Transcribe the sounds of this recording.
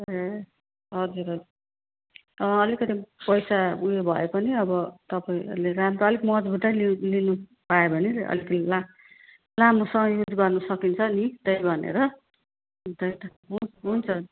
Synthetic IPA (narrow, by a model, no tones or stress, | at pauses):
e | ɦʌd͡zuɾʌ | ʌlikʌt̪ipʌjsaujebʱʌekʌniʌbʌt̪ʌpaĩʌ̰ɾuleramrɾoʌlikmʌd͡zbʱuʈ̪alilinu | paebʱʌniʌ̰likʌila | lamosʌŋʌjud͡zɡʌrnʌsʌkint͡sʰʌnit̪ʌjbʱʌnḛɾʌ | t̪ʌjt̪ʌ | ɦuɦunt͡sʰʌni